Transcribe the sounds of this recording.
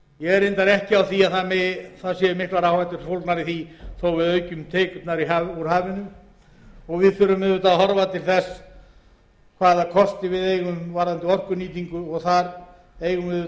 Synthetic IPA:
jɛɣɛɾent̪aɾɛhcɪawθiaðθaðmɪθaðsjɛðʏmɪht̪vaɾawhajt̪ʏɾsowlt̪naɾiθiθowvɪðœːɥcʏmt̪ʰeːkʏt̪naɾiɦauɾ̥haːvɪnʏ | ɔɣvɪðfʏɾʏmɛðvʏt̪aɦɔɾvat̪ʰɪlθɛs | kʰvaːðakʰɔst̪ɪvɪðejɣʏmvaɾant̪ɪɔr̥kʏniːt̪iŋkʏɔɣθaɾ | ejɣʏmɛð

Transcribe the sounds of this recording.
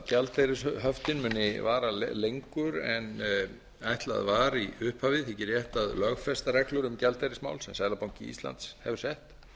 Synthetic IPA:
cɛlt̪ejɾɪsɦœft̪ɪnmʏːnːɪvaːɾallejŋkʏɾɛn | ajht̪la̰ðvaːɾiʏhphaːvɪθɛcɪɾjɛht̪aðlœɣfɛst̪aɾɛklʏɾʏmcɛlt̪ejɾɪsma̰ːwlsɛmsajðlapawŋcɪḭst̪la̰nt̪shɛvʏ̥ɾ̥sɛht̪

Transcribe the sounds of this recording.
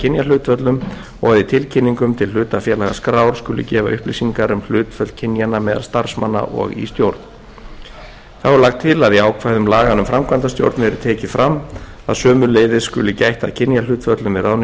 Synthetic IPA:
cʰɪnjalʏːt̪fœt̪lʏm | ɔɣaðɪt̪ʰɪlcʰɪnːiŋkʏmt̪ʰɪl̥ʏːt̪afjɛːlaɣa̰skɾaːwɾ̥skʏːlʏ̰cɛːva̰ʔʏhplisiŋkaɾʏml̥ʏːt̪fœl̥̚cʰɪnjanamɛːðalst̪aɾ̥smanːa̰ʔɔ̰ɣḭst̪jowɾt̪n | θawɛɾlaxt̪ʰːɪlaðiaːwkʰvajðʏmlaːɣanʏmfɾamkʰvant̪ast̪jo̰wɾt̪nɛɾʏt̪ʰɛːcɪfɾam | a̰ðsœːmʏleːjðɪskʏ̰lʏcajht̪aðcʰɪnjalʏːt̪fœt̪lʏmvɪɾawn

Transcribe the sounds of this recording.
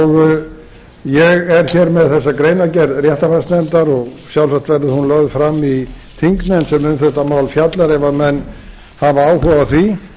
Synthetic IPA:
ɔɣ | jɛɣɛɾ̥çɛɾmɛðθɛs̬ːakɾejnacɛɾðrjɛht̪afast̪nɛmt̪aɾɔɣsjawlsaht̪vɛɾðɪhunlœɣðfɾamːi | θiŋk̪mɛnsɛmːʏnθɛht̪amaːwlfjat̪laɾɛvamɛnː | havaaːwɦɔvaθvi

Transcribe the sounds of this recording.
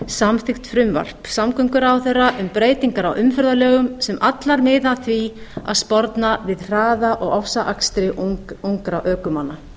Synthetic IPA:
samθɪxt̪fɾʏmva̰r̥psamkʰœmkʏɾawθerːaʔʏmpɾeːjt̪iŋkaɾawʔʏmfœɾðalœːɣʏmsɛmʔat̪laɾmɪːðaθvia̰ðspɔɾt̪navɪðr̥aːðaʔɔɣɔfsaʔakst̪ɾɪʔuŋkɾaʔœːkʏmanːa

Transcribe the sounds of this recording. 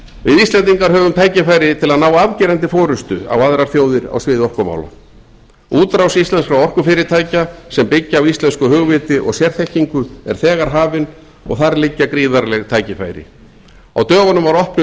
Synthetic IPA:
vɪðist̪lɛnt̪̬iŋkaɾɦœːvʏmt̪ʰaːjcɪfaːjɾɪt̪ʰɪlaðnaːwavcɪːɾɛnt̪ɪfɔːɾʏst̪ʏa̰waðɾaɾ̥θjoːwðɪɾa̰wsvɪːðɔrkɔma̰ːwla̰ | uːt̪ɾawsist̪lɛnskɾawɔr̥kʏfɪːɾɪt̪ʰaːjcasɛmpɪcːaːwist̪lɛnskʏɦʏɣvɪːt̪ɪʔɔ̰ɣsjɛɾ̥θɛhciŋkʏɛ̰ɾ̥θɛːɣaɾ̥ɦaːvɪn | ɔ̰ɣθaɾlɪcːakɾiːðaɾlɛɣt̪ʰaːjcɪfa̰ːjɾɪ̰ | a̰wt̪œːɣanʏmvaɾɔhpnʏ

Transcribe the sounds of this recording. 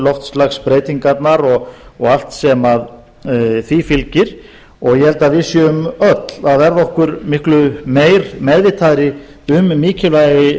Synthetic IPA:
lɔft̪slaxspɾeːjt̪iŋkat̪naɾɔɣɔɣal̥t̪sɛmað | θifɪlcɪɾ̥ | ɔɣjɛhɛlt̪aðvɪðsjʏʏmœt̪l̥aðvɛɾðɔhkʏɾmɪhklʏmeːjɾmɛðvɪt̪ʰaːðɾɪ | ʏmːiːcɪlvajɣɪ

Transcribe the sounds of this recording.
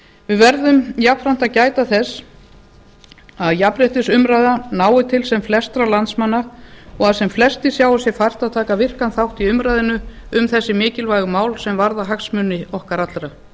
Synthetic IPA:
vɪðvɛɾðʏmjapfɾan̥t̪aðcaːjt̪aθɛsː | aðjapɾɛht̪ɪsʏmɾajðanaːwɪt̪ʰɪlsɛmflɛst̪ɾalant̪smanːaɔɣaðsɛmflɛst̪ɪsjaːwasjɛfajr̥t̪aðt̪ʰaːkavɪr̥kanθawht̪iʏmɾajðɪnʏʏmθɛsːɪmɪːcɪlvajɣʏmaːwlsɛmvaɾðaɦaksmʏnːɪɔhkaɾat̪lɾa

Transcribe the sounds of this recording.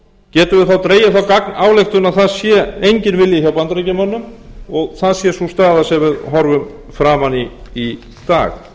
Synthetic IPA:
cɛːt̪ʏvɪðθawt̪ɾeːjaθawkaknaːwlejxt̪ʏnaðθaðsjɛejɲcɪnvɪljɪçawpant̪ɾacamanːʏmɔɣθaðsjɛsust̪aːðasɛvɪðɦɔɾvʏm | fɾaːmanii | t̪a̰ːx

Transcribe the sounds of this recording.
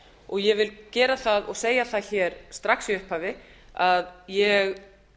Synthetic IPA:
ɔɣjɛvɪlcɛːɾaθaðɔɣseːjaθaðçɛːɾst̪ɾaxsiʏhphaːvɪ | aðjɛɣ

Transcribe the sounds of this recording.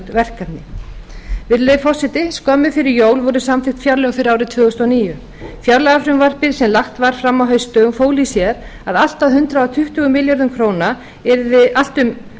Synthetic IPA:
t̪vɛr̥kat̪nɪ | vɪðlefɔsɪt̪ɪskɔːmʏfɪɾɪɾjoːwlvɔɾʏsamθɪxt̪fjaɾlœɣfɪɾɪaːwɾɪt̪ʰvʏːɣʏst̪aniːjʏ | fjaɾlaɣafɾʏmvar̥pɪɾ̥sɛmlaxt̪vaɾ̥fɾamːawɦœɥst̪œmfoːwlisjɛɾ | aðal̥t̪aðɦʏnt̪ɾaat̪ʰʏht̪ʏːɣʏmɪljaɾðʏmkʰɾoːwna | ɛɾðɪʔal̥t̪ʏm

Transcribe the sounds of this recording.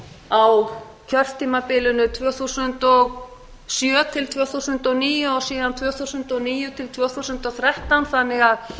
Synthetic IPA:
aw | cʰœr̥t̪ʰːiːmapɪːlʏnʏt̪ʰvœːθusʏnt̪ɔɣ | sjœːt̪ʰɪlt̪ʰvœːθusʏnt̪ɔniːjʏɔsiːðant̪ʰvœːθusʏnt̪ɔniːjʏt̪ʰɪlt̪ʰvœːθusʏnt̪ɔθɾɛht̪anθanːɪɣað

